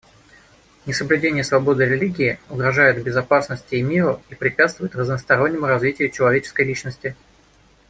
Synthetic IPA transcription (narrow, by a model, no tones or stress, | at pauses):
nʲɪsəblʲʉdʲenʲɪjəsvɐbo̞d̪ɨɾʲɪlʲiɡʲɪːʊɡɾɐʐajɪt̪bʲɪzɐpasnəsʲtʲɪːmʲiɾʊipɾʲɪpʲæat̪st̪vʊjɪt̪rəznəst̪ɐɾo̞nʲːɪmʊɾɐzvʲitʲɪjʊt͡ɕɪlˠɐvʲet͡ɕɪ̥skəjlʲit͡ɕnəsʲtʲɪ